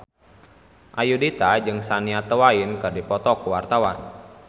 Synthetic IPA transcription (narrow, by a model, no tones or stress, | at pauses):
ʔajudit̪ad͡ʒɨŋsaniat̪əwainkɨrdipɔt̪ɔkuwart̪awan